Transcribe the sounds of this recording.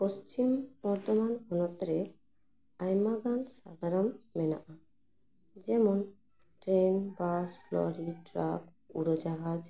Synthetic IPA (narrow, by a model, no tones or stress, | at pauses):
post͡ʃimbɔɾt̪ɔmanɔnɔt̪ɾe | ajmaɡansa̰ɡ̪aɾamːɛna̰ʔa | d͡ʒɛmɔn | ʈɾenbasflɔ̰ɾiʈɾak | ṵɾod͡ʒaɦad͡ʒ